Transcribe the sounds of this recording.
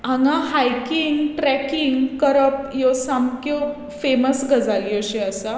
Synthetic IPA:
aŋãɦajkiŋɡʈɾɛkiŋɡkəɾəpjɔsamko | feməsɡəd͡zalioɕeasa

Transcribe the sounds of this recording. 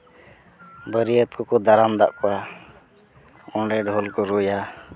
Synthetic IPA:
bəɾijət̪kɔkɔd̪aɾamd̪a̰ʔkɔwa | ɔɖɛɖɦɔlkɔɾuja

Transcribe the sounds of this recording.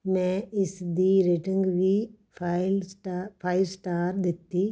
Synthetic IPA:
mɛ̃ɪsd̪iːɾeʈiŋɡʋi | plʈapʰaːɪlsʈaːɾd̪et̪ːi

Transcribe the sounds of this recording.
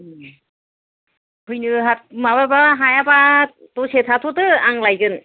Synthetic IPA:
ɯ | pʰɯjnɯɦat̚mababaɦajaba | t̪osetʰat̪ʰotɯaŋlajɡɯn

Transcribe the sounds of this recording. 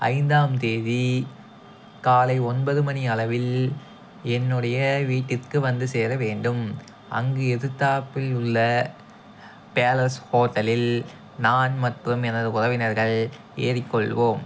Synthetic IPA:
ɐ̰ɪnd̪aːmt̪eːði | kaːlɐɪɔnbɐðɯmɐniɐlɐʋɪl | ɛnːɯɽɐjɐʋiːʈːɪrkɯʋɐnd̪ɯseːɾɐʋeːɳɖɯm | ʔɐ̰ŋɡɯɛðɯt̪ːaːpːɪlʊɭːɐ | peːlɐshoːʈːɐlɪl | naːnmɐʈrɯmɛnɐðɯʊðɐʋɪnɐɾɣɐɭ | ḛːɾɪkːɔɭʋoːm

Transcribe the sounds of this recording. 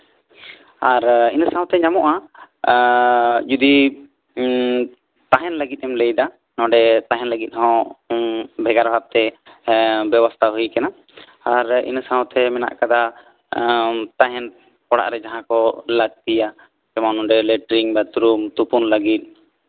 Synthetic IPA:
aɾinsãw̃t̪ɛɲamɔʔa | d͡ʒud̪i | t̪aɦɛnləɡit̪̚ˀɛmləjd̪a | nɔ̃ɖɛt̪aɦɛnləɡit̪̚ˀhɔ̃ | bʱɛɡaɾbʱab̚t̪ɛ | bɛbɔst̪ʰaɦujkɛna | aɾḭnsaw̃t̪ʰɛmɛna̰ʔkad̪a | t̪aɦɛn | kɔɽa̰ʔɾɛd͡ʒaɦãkɔləɡ̚t̪ija | d͡ʒɛmanɔɖɛlɛʈɾiŋbat̪uɾumt̪upunləɡit̪̚ˀ

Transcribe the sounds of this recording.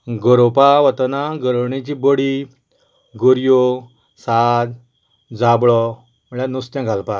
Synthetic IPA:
ɡɔɾopaʋət̪naɡəɾɳẽt͡ɕiboɽi | ɡɔɾjo | sad̪ | d͡zabɭɔ | məɭãnust̪jãɡʱalpa

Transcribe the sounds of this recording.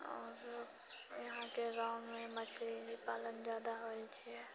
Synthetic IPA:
ɔːɾ | jɐɦãkeɾaːmːẽmət͡ʃʰliɦipaːlənd͡ʒaːd̪aɦoit͡ʃʰiɛ

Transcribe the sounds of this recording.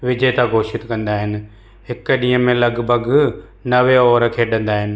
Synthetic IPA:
ʋɪd͡ʑʱejt̪aɡʱoːʃɪt̪kɐ̃nd̪aːɦɪnɪ̆ | ɦɪkɗĩːə̃mẽlɐɡbʱəɡ | nɐʋeɔːɾəkʰeːɗɐ̃nd̪aːɦɪnɪ̆

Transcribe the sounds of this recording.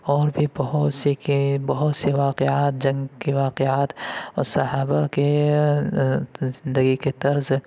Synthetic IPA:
ɔːɾbʱibɐɦʊt̪sekbɐɦʊt̪seʋaːqeaːt̪̚d͡ʒɐ̃ŋɡkeʋaːqeaːt̪ɔːɾsɐɦaːbake | zɪnd̪əɡiket̪ɐɾz

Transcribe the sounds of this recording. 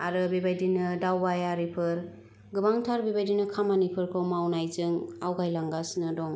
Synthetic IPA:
aɾɯbibajdinɯdawbajaɾipʰɯɾ | ɡɯbaŋtʰaɾbibajdinɯkʰamanipʰɯɾkʰɯmawnajzɯŋawɡajlaŋɡasnɯdɔŋ

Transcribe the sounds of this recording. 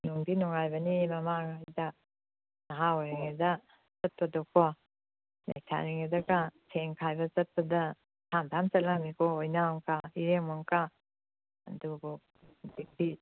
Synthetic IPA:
nuŋdinɔŋajbɐnimɐmaŋajdɐ | naɦaojɾiŋedɐ | t͡ʃɐt̚pɐdɔkɔ | la̰jtʰa̰ɾiŋedɐkasʰeŋkʰajbɐt͡ʃɐt̚pɐdɐ | tʰamtʰamt͡ʃɐt̚lamikɔojnaŋkaiɾeŋmɔŋka | ɐdubu | bik̚ti

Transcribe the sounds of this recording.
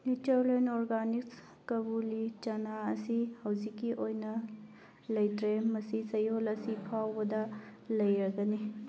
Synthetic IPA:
nut͡ʃɐɾlenoɾɡaniks | kɐbulit͡ʃɐnaɐsihɐwzikːiʔojnɐ | lɐjtɾemɐsisɐjolɐsipʰawbɐdɐlɐjɾɐɡɐni

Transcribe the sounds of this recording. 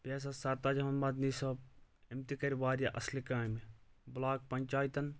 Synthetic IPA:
peːs̬asɐɾt̪aːd͡ʒmɐnmɐd̪nisɐb̚ | imt̪ikɐɾʋaːɾjaʔɐslikaːmi | bʊlaːk̚pɐɲt͡ʃaːjt̪ɐn

